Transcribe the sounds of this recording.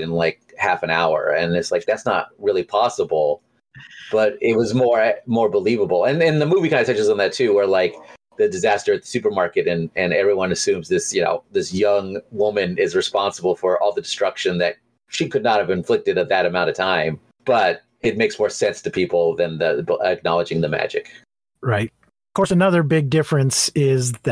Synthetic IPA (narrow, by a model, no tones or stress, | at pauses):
ɨ̃nlaɪk̚hæfɨ̃naʊə̰˞ɨ̃nɨtslaɪk̚ðætsnə̰t̚ɹɪlˠipʰɑsəbl̩ˠ | b̥ʌɾɪt̚wʌzmɔɹmɔɹbəlivəbl̩ˠɨ̃nɨ̃nðəmuvikʰãɪ̃dɨtʌt͡ʃɨzn̩ðɨtʰʉwə˞laɪk̚ | ðɨdɨzæstə˞ɨt̪̚ðəsʉpə˞mɑɹkɨɾɨ̃nɨ̃nɛvɹiwʌ̃nɨsʉ̃mzðɪsjɨno̰ʊðɪsjʌ̃ŋwʊmɨ̃nɪzɹɨspɑ̃nsəbl̩ˠfə˞ʔɔlˠðədɨstɹ̥ʌkʃɨ̃nðɨt̚ | ʃikʰɨdⁿnət̚hɨvɨ̃ɱflɪk̚tɨɾɨt̪̚ðɨɾɨmãʊ̃ɾ̃tʌv̥tʰãɪ̃m | b̥ʌɾ | ɨt̚meɪksmɔɹsɛ̃nstʰɨpʰipl̩ˠðɨ̃nðɨək̚nɑlˠəd͡ʒɪ̃ŋðɨmæ̰d͡ʒɨ̰k | ɹaɪt̚ | ʌ̥kʰɔɹsɨnʌðə˞bɪɡ̚dɪfɹɨ̃nsɪzð